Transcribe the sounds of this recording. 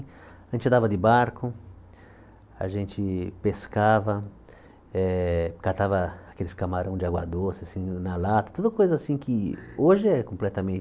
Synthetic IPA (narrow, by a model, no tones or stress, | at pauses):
ʒẽnt͡ʃɪd̪avɐd̪ɪbaɾkʊ | a̰ʒẽnt͡ʃ̪ɪpeskavɐ | ɛkat̪avɐːkelɪskamaɾʔɐ̃w̃d͡ʒɪaɡwa̰d̪osɪasĩnalat̪ɐ̥t̪od̪ʊkojzɐasĩkʰɪoʒɪɛkõmplɛt̪ɐmẽ